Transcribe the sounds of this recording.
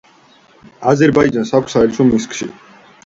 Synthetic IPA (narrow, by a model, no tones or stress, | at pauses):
azɛɾbaid͡ʒansakʷʰsaɛlt̪sʰɔmiskʰʼʃḭ